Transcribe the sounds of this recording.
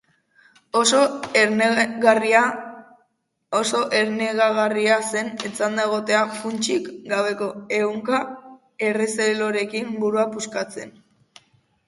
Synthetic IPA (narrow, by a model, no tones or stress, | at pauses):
oso | ɣaria | oso̞ʔe̞ɾne̞ɣaɣariase̞net͡sand̪aeɣ̞o̞t̪e̞afunt͡ʃikɡaβe̞ko̞e̞uŋka | e̞re̞selo̞ɾe̞kimbuɾuapuskat͡se̞n